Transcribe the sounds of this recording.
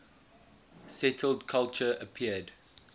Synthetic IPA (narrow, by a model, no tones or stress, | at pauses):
sɛtʰəlˠdkʰalˠt͡ʃəəpʰiəd